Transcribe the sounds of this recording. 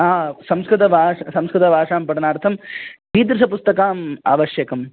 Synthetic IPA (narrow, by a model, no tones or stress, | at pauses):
aːsɐmskɾɨt̪ɐbʱaːʂɐsɐmskɾɨt̪ɐbʱaːʂaːmpɐɽɐnaːɾt̪ʰɐmkiːd̪ɾɪsɐpust̪ɐkaːma̰ːʋɐʃjɐkɐm